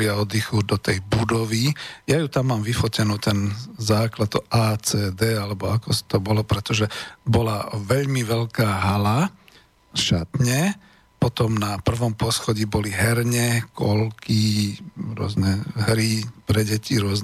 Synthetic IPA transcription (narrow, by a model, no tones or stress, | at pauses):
ɪaɔd̪ixuːd̪ɔt̪ɛjbud̪ɔʋijajut̪amːaːmʋifɔcɛnuːt̪ɛnzaːklad̪̚t̪ɔʔaːt͡sɛːd̪ɛːalɛbɔakɔsi̥t̪ɔbɔlɔpɾɛt̪ɔʒɛbɔlaʋɛʎmiʋɛʎkaːɦala | ʃat̪ɲɛ | pɔt̪ɔmnapr̩ʋɔmpɔsxɔɟibɔliɦɛɾɲɛkʰɔlkiɾʊɔ̰znɛɦɾipɾɛɟɛciɾʊɔzn